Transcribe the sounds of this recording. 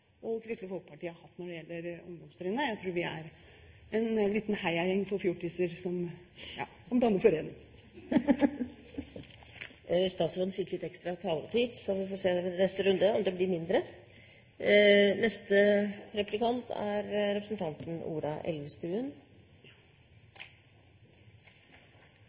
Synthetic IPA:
ɔkʰɾɛst̪lɪfɔlkəpʰɑʈiːəhɑɾhɑt̪ːnɔɖɛjɛlːəɾɔ̰md̪ɔmst̪ɾɪnːəjæɪt̪ʰɾuːɾʋɪæ̰ɾ | ɛnliːt̪n̩hæɪɑɛŋːfɔɾfjuʈʰisəɾsɔm | ɑ̰ːsɔmb̪ɑnːəfɔɾenɪŋ | st̪ɑːt̪sɾɔd̪fɪkːlɪt̪ːɛkst̪ɾɑt̪ʰɑːlət̪ʰiːd̪sɔʋɪfɔseːd̪ɛpɔd̪nɛst̪əɾʉnd̪əɔmd̪ɛblɪɾmɪnd̪ɾə | nɛst̪əɾɛplɪkɑnt̪ʰæ̰ɾɾɛpɾəsnt̪ʰɑnt̪ənṵːɾɑʔɛ̰lʋəst̪ʉːən

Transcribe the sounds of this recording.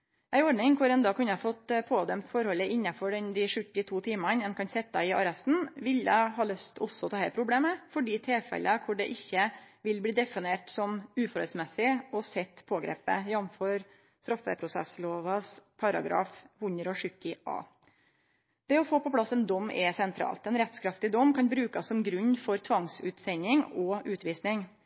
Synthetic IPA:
ʔæɪɔɖɳɪŋkʰʊɾɛnd̪ɑːkʰʉnəhfɔt̪pʰoːd̪œmt̪fɔɾhɔlːəʔɪnːɑfɔɖɛnd̪ɪʂʉt̪ːɪt̪ʰuːt̪ʰiːmɑnɛnkʰɑnsɛt̪ːɑɪɑɾɛst̪n̩ʋɪljæ̰ɪɦɑːlœst̪ʰɔsːɔɔt̪ʰɑːhæɪpʰɾʊbleːməfɔɖiːt̪ʰeːfɛ̰lʔəkʰʊɖɛʔɪçːəʋɪlbliːd̪ɛfɪneːʈsɔmʉːfɔɾhœlsmɛsɪɔsɛt̪ːpʰoːɡɾḛːpə̰jɑnføɾ | st̪ɾɑfə̰pʰɾʊsɛ̰sloːʋɑspʰɑɾɑ̰ɡɾɑ̰ːfhʊɲəɾɔʂʏkːɪʔɑ̰ː | d̪̥ɛɔfoːpɔpʰlɑsːɛnd̪ɔmːɛsɛnt̪ʰɾɑ̰ːlt̪ɛnɾɛt̪skʰɾɑft̪ɪd̪ɔmːkʰɑnbɾʉːkɑsːɔmɡɾʉɲːfɔɾt̪ʰʋɑŋsʉ̰ːt̪sɛɲːɪŋɔʉːt̪ʋiːsnɪŋ

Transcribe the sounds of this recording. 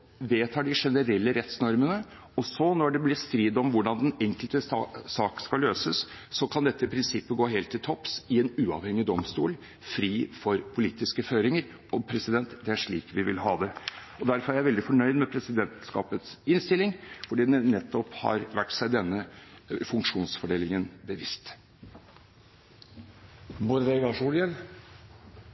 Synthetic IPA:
ʋeːt̪ʰɑːɖɪʂɛnəɾɛlːəɾɛt̪snɔɾmənə | ɔsɔnɔɖɛblɪst̪ɾiːd̪ɔmʋʊɖɑnd̪ɛnɛŋkəlt̪əsɑːkskɑlːøːsəsːɔkʰɑnd̪ɛt̪ːəpʰɾɪnsɪpːəɡoːɦeːlt̪ʰːɪlt̪ʰɔpsɪɛnʉːɑ̰ʋhɛŋːɪd̪ɔmst̪ṵːl | fɾiːfɔɾpʰʊliːt̪ɪskəføːɾɪŋəɾ | ɔpʰɾɛsɪd̪ɛnt̪d̪ɛæʂɭiːkʋɪʋɪlɦɑːd̪ɛ | ɔd̪æɾfɔɾæɾjæʋɛld̪ɪfɔɳœʏd̪mɛpʰɾɛsɪd̪ɛnt̪skɑ̰ːpət̪sɪnst̪ɪlːɪŋfɔɖiːd̪ɛnɛt̪ːɔphɑ̰ɾʋæʈːsæɪd̪ɛnːəfʉŋkʂuːnsfɔɖeːlɪŋənbəʋɪst̪ | mʊɾʋɛɡɑʂuːlɪən

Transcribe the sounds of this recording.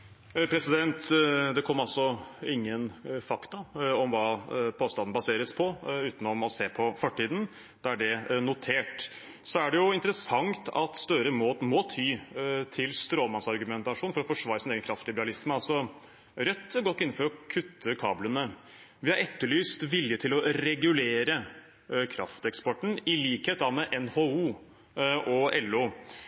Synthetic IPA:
pʰɾɛsɪd̪ɛnt̪d̪ɛkʰɔmːɑlsɔɪŋːənfɑkt̪ɑɔmʋɑːpʰoːst̪ɑnn̩bɑseːɾəspʰɔʉːt̪n̩ɔmɔseːpʰɔfɔʈːiːd̪n̩ | d̪̥æɖɛnʊt̪ʰeːʈ | sɔæɖɛjʊɪnt̪əɾəsɑŋt̪ɑ̰t̪st̪œɾəmot̪mɔt̪ʰyːt̪ʰɪlst̪ɾoːlmɑsɑɾɡʉmɛnt̪ɑʂuːnfɔɾɔfɔʂʋɑːɾəsɪneːɡənkʰɾɑft̪lɪbəɾɑlɪsməɑlsɔ | ɾœt̪ːəɡɔt̪ːɪn̩ːfɔɾɔkʰʉt̪ʰːəkʰɑ̰ːblənə | ʋɪhɑɾɛt̪ːəɭyːst̪ʋɪljət̪ʰɪlɔɾɛɡʉleːɾə | kʰɾɑ̰ft̪ɛkspɔʈːɳ̩ɪliːkheːt̪ːɑʋmɛʔɛnhoːuː | ɔɛlːuː

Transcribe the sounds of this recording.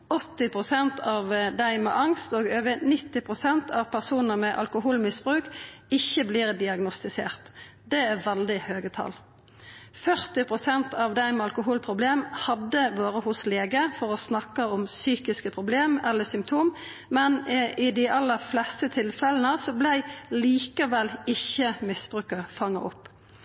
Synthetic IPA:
ɔt̪ːɪpʰʁʊsɛnt̪ʰɑːʋd̪æɪmɛ̰ʔɑŋst̪oːɡøːʋənɪt̪ːɪpʰʁʊsɛnt̪ʰɑʋpʰæʁsuːnəmɛʔɑ̰lkʊɦuːlmɪsb̥ʁʉːkɪçːəbliːʁd̪ɪɑɡnɔst̪ɪseːʁt̪ | d̪ɛæʁʋɛld̪ɪhøːɡət̪ʰɑ̰l | fœʁt̪ɪpʰʁʊsɛnt̪ʰɑːʋd̪æɪmɛɑlkʊɦuːlpʰʁʊbleːmhɑd̪ːəʋoːɾəhʊsleːɡəfɔʁɔsnɑkːɑɔmsyːkɪskəpʰʁʊbleːmɛlːəsʏmpt̪ʰuːm | mɛnɪd̪ɪʔɑlːəʁflɛst̪ət̪ʰɪlfɛln̩əsɔblæɪliːkəʋɛlɪçːəmɪsb̥ʁʉːkəʁfɑŋːɑʔɔpː

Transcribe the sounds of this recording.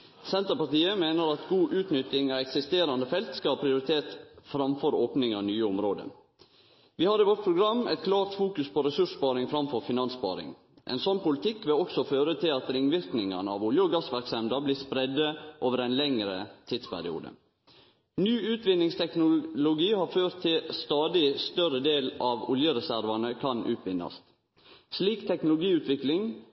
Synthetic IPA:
sɛnt̪əɾpɑʈiːəmeːnəɾɑt̪ɡuːʔʉːt̪nʏt̪ːɪŋɑɛksɪst̪eːɾɑnd̪əfɛlt̪skɑɑpʰɾɪʊɾɪt̪ʰeːt̪fɾɑmfɔɾoːpnɪŋɑʋnyːəʊmɾoːd̪ə̰ | ʋɪːhɑɾiʋɔʈ̚pʰɾʊɡɾɑmːʔɛ̰t̪kʰlɑːɾt̪fuːkʉspʰoɾɛsʉʂpɑːɾɪŋfɾɑmfɔɾfɪnɑnspɑ̰ːɾɪ̰ŋ | ʔɛ̰nsɔnpʊlɪt̪ʰɪkːʋɪlɔksɔføːɾət̪ʰɪlɑt̪ɾɪŋʋɪɾknɪŋə̰nəɑ̰ʋuljəɔɡɑsʋæɾksɛmd̪ɑbliːspɾɛd̪ːəʔoːʋəɾɛɪnlɛŋɾə̰t̪ʰiːd̪spʰæ̰ɾɪ̰ṵːd̪ə̰ | nyːʉːt̪ʋɪnːɪŋst̪ʰɛknʊlʊɡiːhɑːɾføːɾt̪ʰːɪlst̪ɑːd̪ɪst̪œɾəd̪eːlɑʋʊljəɾɛsæɾʋɑnəkʰɑnʉ̰ːt̪ʰʋɪnːɑ̰st̪ | sliːkt̪ʰɛknʊlʊɡiːʉːt̪ʋɪklɪŋ

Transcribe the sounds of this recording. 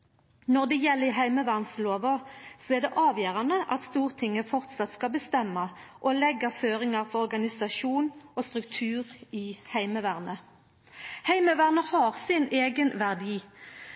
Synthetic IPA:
nɔʁd̪ɛjɛlːəɪɦæɪməʋæʁnsloːʋəsɔɛʁd̪ɛʔɑːʋjøːʁɑnəʔɑt̪st̪uːʁt̪ʰɪŋːəfɔʁt̪sɑt̪skɑlbəst̪ɛmːɑʔolɛɡːɑføːʁɪŋɑʁfɔʁɔʁɡɑnɪsɑʃuːnoːst̪ʁʉkt̪ʰʉːʁɪːhæɪməʋæːʁnə | hæɪməʋæːʁnəhɑːʁsɪneːɡənʋæʁd̪iː

